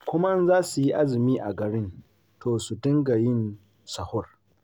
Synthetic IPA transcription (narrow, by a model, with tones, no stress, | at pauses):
kʷʊ˦mɐ˦nzaː˦su˨ji˦ʔa˦zɪ˨miː˦ʔa˨ɡɐ˨ɽɪ˦n | tʰoː˨su˨dɪ˦ŋɡa˨jɪ˦n | sɐ˨hʊ˦r